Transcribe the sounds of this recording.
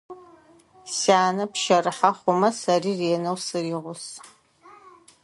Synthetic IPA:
saːnɐpʃɐrɨħaχʷʊmɐsɐriːreːnɐwsɨriːʁʷʊs

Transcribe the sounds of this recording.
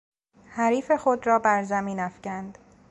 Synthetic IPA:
hæɾiːfe̞xod̪ɾɒːbæɾzæmiːnæfcænd̪̥

